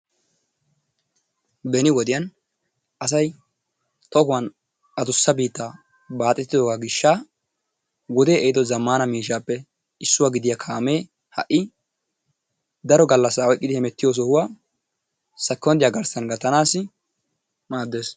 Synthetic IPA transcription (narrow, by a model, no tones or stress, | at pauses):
bɛnɪwɔd̪ɪjɐn | ʔɐs̬ɐj | t̪ɔhʊwɐn | ɐd̪ʊsːɐbiːt̪ːaː | baːt̪ʼːɛt̪ːɪd̪oːɡaɡɪʃːaː | wɔd̪eːɛɪd̪ɔzɐmːaːnɐmiːʃ̬aːpːɛ | ɪsːʊwaːɡɪd̪ɪjakʰaːme̞ː | hɐ̰ʔːɪ | d̪ɐɾɔɡɐlːɐsːaɔjkʼːɪd̪ɪhɛmɛt̪ːɪjoːs̬ɔhʊwaː | sɐkːɔnd̪ɪjaːɡɐɾsɐnɡɐt̪ɐnaːsːɪ | maːd̪ːe̞ːs